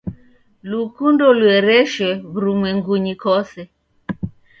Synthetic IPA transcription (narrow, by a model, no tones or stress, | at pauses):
lukundɔluɛɾɛʃwɛβuɾumwɛŋɡuɲikɔsɛ